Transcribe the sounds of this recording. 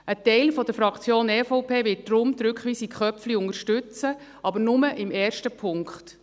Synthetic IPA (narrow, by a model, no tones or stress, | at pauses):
ʔətɛɪlfɔd̥̪əɾfɾɑkt͡sjoːnɛfɔʊpʰeːvɪt̚d̥ɾʊmd̪ɾʏkχʋiːsikχœpfliʊŋəɾʃtʉt͡sə | ɑbəɾnʊməʔɪmɛːɾʃtəpʰʊŋkχt